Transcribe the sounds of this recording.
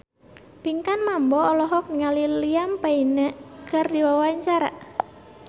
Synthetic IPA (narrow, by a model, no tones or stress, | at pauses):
piŋkanmambɔːlɔɦɔk̚niŋalilijampainaʔkardiwawaɲt͡ʃaɾa̰